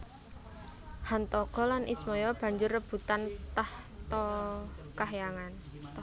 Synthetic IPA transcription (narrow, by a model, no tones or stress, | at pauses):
hant̪ɔɡ̥ɔ̤lanʔismɔjɔb̥ä̤ɲd͡ʒʊrːəb̥ṳt̪ant̪aht̪ɔ | kaɦjaŋant̪